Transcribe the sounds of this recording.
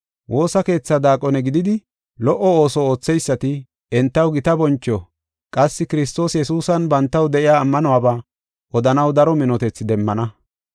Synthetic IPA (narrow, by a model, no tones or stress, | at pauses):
wʔo̞ːsɐke̞ːt͡sːad̪aːkʼɔnɛɡɪd̪ɪd̪ɪ | lɔʔɔo̞ːsɔo̞ːt͡sːɛjsːɐt̪ɪ | ɛnt̪ːɐwɡɪt̪ɐbɔnt͡ʃːɔ | kʼɐsːɪkɪɾɪst̪o̞ːsjɛsuːsɐnbɐnt̪ːɐwd̪ɛʔɪjaːmːɐnɔwaːbaː | ʔɔd̪ɐnɐwd̪ɐɾɔmɪnɔt̪ɛt͡sːɪd̪ɛmːɐnɐ